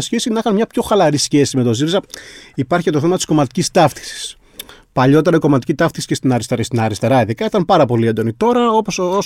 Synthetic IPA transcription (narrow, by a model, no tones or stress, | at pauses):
sçesinɐixɐnmɲɐpço̞xɐlɐɾisçe̞sime̞t̪o̞ziɾizɐipɐɾçicet̪oθemɐt̪isko̞mɐt̪i̥cist̪ɐft̪i̥si̥s | pɐʎo̞t̪eɾɐiko̞mɐt̪i̥cit̪ɐft̪isi̥cest̪inɐɾist̪eest̪inɐɾist̪eɾɐiðikɐit̪ɐmpɐɾɐpo̞liend̪o̞nit̪o̞ɾɐo̞poso